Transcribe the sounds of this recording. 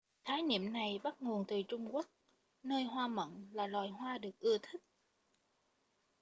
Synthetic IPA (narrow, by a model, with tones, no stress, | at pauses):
t̪ʰaː˨˦jɲḭ˧˨əmna˨˩jɓa˦˥t̚ŋo˨˩ənt̪ɨ˨˩t͡ɕʊ˧ŋ͡mku˦˥ək̚ | nəː˧jɦwaː˧mə̰˧˨nlaː˨˩lwaː˨˩jɦwaː˧ɗɨ˨˩ək̚ʔɨ˧ət̪ʰï˦˥k̚